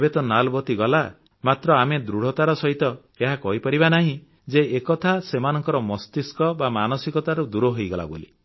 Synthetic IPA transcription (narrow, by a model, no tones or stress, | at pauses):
ebet̪ɔnalbɔt̪iɡɔla | mat̪ɾɔamed̪ɾuɽ̤ɔt̪aɾɔsɔɦit̪ɔ | eɦakɔɦipaɾibanaɦĩ | d͡ʒeekɔt̪ʰasemanɔŋkɔɾɔmɔst̪iskɔbamanɔsikɔt̪aɾud̪uɾɔɦojɡɔla̰bo̰lḭ